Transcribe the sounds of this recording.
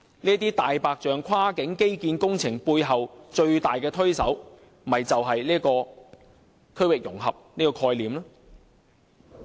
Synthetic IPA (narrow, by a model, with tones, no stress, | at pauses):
niː˥ə˥t̪̬iː˥t̪aː˨jpaː˨k̚t͡ʃœː˨ŋkʰwaː˥kɪ˨˥ŋke˥jkiː˧nkʊ˥ŋt͡sʰɪ˨˩ŋpuː˧jɦɐ˨wt͡ʃɵ˧ɥt̪aː˨jkɛː˧t̪ʰɵ˥ɥsɐ˨˥w | m̩˨ɐ˨jt͡sɐ˨wɦɐ˨jliː˥kɔː˧ | kʰɵ˥ɥwɪ˨k̚jʊ˨˩ŋɦɐ˨p̚niː˥kɔː˧kʰɔː˧jliː˨˩mlɔː˥